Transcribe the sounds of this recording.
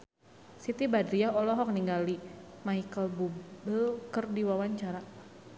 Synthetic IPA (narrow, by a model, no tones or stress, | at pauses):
sit̪ibadɾiaɔlɔɦɔk̚niŋɡalimaikəlbubəlkərdiwawaɲt͡ʃaɾa